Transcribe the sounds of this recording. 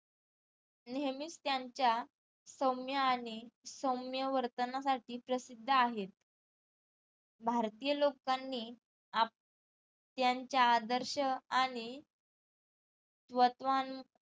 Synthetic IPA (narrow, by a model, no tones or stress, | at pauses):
nemist̪jaɲt͡ɕja | səmjəaɽ̃isəwmjəʋəɾt̪ənasaʈiːpɾəsid̪ʱːəaɦet̪̚ | bʱaɾt̪ijəlokanːiː | a | t̪jaɲt͡ɕjaːd̪əɾɕəaɽ̃i | t̪ʋət̪ʋan